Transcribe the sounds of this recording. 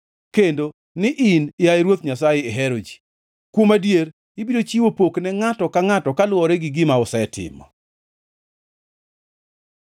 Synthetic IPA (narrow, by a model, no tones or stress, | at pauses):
kendo | nɪʔɪnɪjaɛɾwot̪ɲasajeɛɦɛɾod͡ʒi̥ | kwomadjeɾ | ɪbidot͡ʃiwopoknɛŋatɔkaŋatɔkalwɔɾɛɡɪɡɪmaʊsɛɛtɪ̰mɔ̰